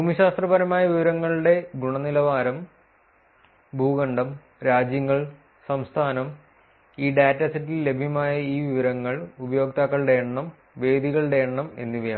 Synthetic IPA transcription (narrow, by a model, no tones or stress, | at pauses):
buːmiɕaːst̪rɐbɐɾɐmaːjɐʋiʋɐɾɐŋːɐɭuɽe̞ɡuɳɐnilɐʋaːɾɐm | bʱuːɣɐɳɖɐm | ɾaːd͡ʑjɐŋːɐɭ | sɐmst̪ʰaːnɐm | iːɖaːtːɐsitːille̞bʱijɐmaːjɐiːʋiʋɐɾɐŋːɐɭubɐjo̞ːk̚t̪aːkːɐɭɨɽeːɳɳɐm | ʋe̞ːd̪iɣɐɭɽeːɳɳɐme̞̰nːiʋɐjaː